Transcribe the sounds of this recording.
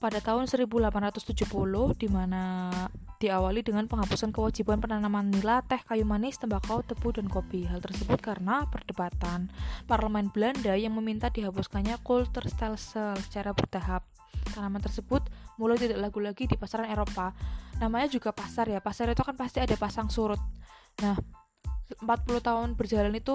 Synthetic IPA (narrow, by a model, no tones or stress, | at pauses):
padat̪aɦʊnsəɾibulapanrat̪ʊst̪ud͡ʒuhpulʊhd̥imana | d̥iawalidəŋanpəŋɦapusankəwad͡ʒibanpənanamanːilat̪ɛhkajumanɪst̪əmbakawt̪əb̥udankobiɦalt̪ərsəbʊt̪̚kaɾənapərd̥əbat̪anparləmɛnb̥landajaŋməmint̪adiɦapuskaɲakʊlt̪ərst̪ɛlsəlsə̥t͡ʃaɾabərd̪̥aɦap̚ | t̪anamant̪ərsəbʊt̪̚mulajt̪idaʔlaɡulaɡidipasaɾaneɾopanamaɲad͡ʒuɡapasarjapasaɾit̪ukanpast̪iadapasaŋsuɾʊt̪̚ | nah | əmpat̪̚puluht̪aʊnb̥ərd͡ʒalanit̪u